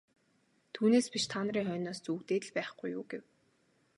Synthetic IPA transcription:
t̪ʰuːneːspiʃt̪ʰaːnə̆ɾiːŋχœːnɔːst͡sukt̪eːt̪̆ɮpæːχɡ̥ujʊ̰ːɡew

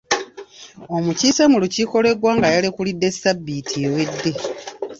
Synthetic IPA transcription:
o̞mucisamuluciko̞le̞ɡwaːŋɡajalekulid̪ːe̞sabːitʰiwedːe

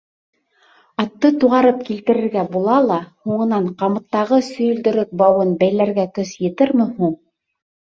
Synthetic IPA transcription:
ɑt̪ːɤt̪uʁɑɾɤp̚kilt̪ɘ̆ɾɘ̆ɾɡæbulˠɑlˠɑhuɴɤ̆nɑɴqɑmɤ̆t̪ːɑʁɤsɵ̆jɵ̆ld̪ɵ̆ɾɵk̚bɑwɤnbæjlæɾɡækɵsjɘ̆t̪ɘɾmɘhuɴ

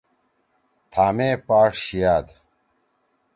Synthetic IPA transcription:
t̪ʰaːmeːpaːʈɕijaːd̪

